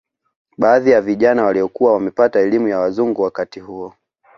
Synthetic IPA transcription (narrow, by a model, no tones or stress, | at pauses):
ɓaːðijaviʄanawaliɔkuwawamɛpataɛlimujawazuŋɡuwakatihuɔ